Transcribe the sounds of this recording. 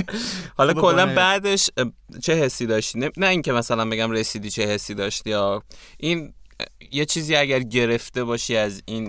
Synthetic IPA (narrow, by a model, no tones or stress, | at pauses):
hɒlɒkʰo̞lːænbæd̪e̞ʃt͡ʃʰe̞ɦe̞sːiːd̪ɒːʃt̪innæiŋcʰe̞mæsælænbe̞ɟæmɾe̞siːd̪iːt͡ʃʰe̞he̞sːiːd̪ɒːʃt̪ijɒʔin | je̞t͡ʃʰiːziːæɟæɾɟe̞ɾe̞ft̪e̞bɒːʃiæzin